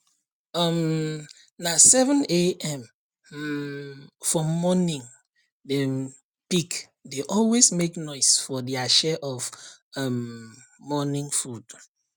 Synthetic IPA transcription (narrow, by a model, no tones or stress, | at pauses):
ʌm | nasɛvə̃neɛ̃m | fɔmɔnĩŋ | de | pik | deʔɔlwesmeknɔɪsfɔdiaʃɛʔɔfʌm | mɔnĩŋfud̥